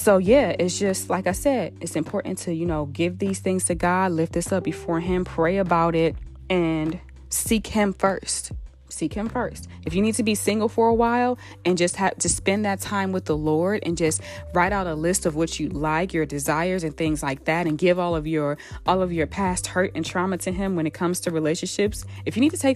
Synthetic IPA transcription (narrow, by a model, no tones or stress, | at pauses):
soʊjæɪtsd̥ʒ̥ʌstˡlaɪkaɪsɛdɨtsɨ̃mpʰɔɹʔn̩tʰɨjɨnoʊɡɪvðiz̥θɪ̃ŋz̥tʰɨɡɑdˡlɪft̪̚ðɪsʌp̚b̥ɨfɔɹɪ̃mpʰɹ̥eɪɨbaʊɾɪt̚ | ɨ̃n | sikhɪ̃ɱfɜ˞st | sikhɨ̃ɱfɜ˞st̚ | ɨfjɨnid̚tʰɨbisɪ̃ŋɡl̩ˠfə˞əwaɪlˠ | ɨ̃nd͡ʒʌst̚hɨvtʰɨspɛ̃nðɨtʰãɪ̃mwəðəlɔɹɾɨ̰̃nd͡ʒʌst̚ɹaɪɾaʊɾəlɪstʌvwʌt͡ʃɨlaɪkjə˞dɨzaɪə˞zɨ̃nθɪ̃ŋzlaɪk̚ðæɾɨ̃nɡɪvɔlˠʌvjə˞ʔɔlˠʌvjə˞pʰæst̚hɜ˞ɾɨ̃ntʰɹ̥ɑmɨtʰɨɪ̃mwə̃nɨt̚kʰʌ̃mz̥tʰɨɹileɪʃɨ̃nʃɪpsɨfjɨnid̚tʰɨtʰeɪk